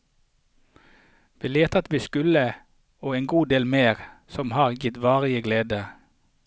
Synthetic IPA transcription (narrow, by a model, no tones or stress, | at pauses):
ʋiːleːt̪ɑt̪ʋiːskʉlə | oːeːŋɡuːd̪eːlmeːʁsɔmhɑːʁjɪt̪ʋɑːʁɪəɡleːd̪ə